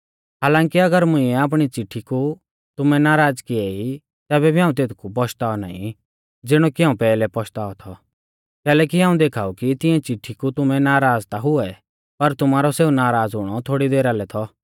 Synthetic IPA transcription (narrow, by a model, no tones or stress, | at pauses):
ɦaːlãːŋkiɐɡəɾmʊ̃ĩɛaːp̬ɽ̃it͡sɪʈʰːiku | t̪ʊmɛnaːɾaːd͡zkiɛi | t̪ɛːbɛbʱiɦãːũt̪eːt̪kʰup̬ɔʃt̪aːɔna̰ːḭ̃ | d͡zɪɽ̃ɔkiɦãːũpɛːlɛpɔʃt̪aːɔt̪ʰɔ | kɛːlɛːkiɦaːũd̪eːkʰaːukit̪ɪ̃ɛ̃t͡sɪʈʰːikut̪ʊmɛnaːɾaːd͡zt̪aɦʊɛ | pɐɾt̪ʊmaːɾɔseːunaːɾaːd͡zɦʊɽ̃ɔt̪ʰoːɽid̪eːɾalɛt̪ʰɔ